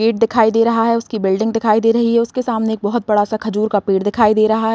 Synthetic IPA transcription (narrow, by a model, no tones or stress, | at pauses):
eːʈ̚d̪ɪkʰaːid̪eːɾɐɦaɦɛʊskibɪlɖɪ̃ŋɡd̪ɪkʰaːid̪eːɾɐɦiɦɛʊskesaːmneeːk̚bɔɦʊt̪̚bɐɽasakʰɐd͡ʒuːɾkapeːʈd̪ɪkʰaːid̪eːɾɐɦaɦɛ